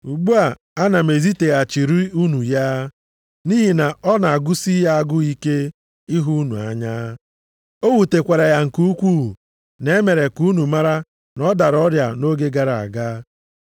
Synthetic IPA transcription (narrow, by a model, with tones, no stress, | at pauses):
u˨ɡ͡bu˦a˨ | a˦na˨me˨zi˦te˨ɣa˨t͡ʃi˨ɾi˦u˦nu˨ja˦ | ni˦ɦi˨na˨ɔ˦na˨a˨ɡʊ˦si˦ja˦a˦ɡʊ˦i˦ke˦ | i˦ɦu˦nṵ˨a̰˨ɲa˦ | o˦wu˨te˨kʷa˨ɾa˨ja˨ŋ̩˨ku˦kʷuː˦˨ | ne˦me˨ɾe˨ku˦nu˨ma˦ɾa˦ | nɔ˦da˨ɾɔ˦ɾja̰˨no˦ɡe˦ɡa˨ɾa˨a̰˨ɡaː˦